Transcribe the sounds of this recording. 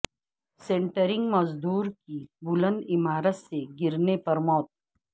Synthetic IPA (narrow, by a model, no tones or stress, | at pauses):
sẽːɳʈəɾɪ̃ŋɡmɐzd̪uːɾkibʊlə̃nd̪ɪmaːɾət̪seɡɪɾnepɐɾmɔːt̪̚